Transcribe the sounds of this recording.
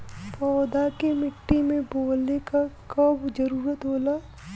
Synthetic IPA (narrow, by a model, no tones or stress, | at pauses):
pɔːd̪akemɪʈːimẽboːlekakɔːbd͡ʒɐɾuːɾət̪ɦoːla